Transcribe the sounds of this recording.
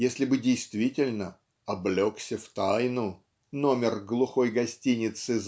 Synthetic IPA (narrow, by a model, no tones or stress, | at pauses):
jesʲlʲɪbɨdʲɪjst̪vʲitʲɪlʲnə | ɐblʲo̞ksʲəft̪ajnʊ | no̞mʲɪrɡlˠʊxo̞jɡɐsʲtʲinʲɪt̪sɨz